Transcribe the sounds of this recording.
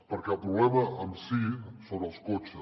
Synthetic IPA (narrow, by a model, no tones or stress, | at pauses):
pəɾkɛəlˠpɾuβlɛməəmsisoβəlˠskot͡ʃə